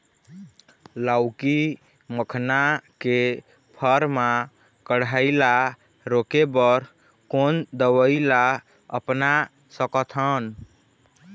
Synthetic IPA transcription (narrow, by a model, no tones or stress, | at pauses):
lawki | məkʰnake | pʰəɾma | kəɽaɪla | ɾokebəɾ | kond̪əwəɪla | ə̰pna | səkət̪ʰən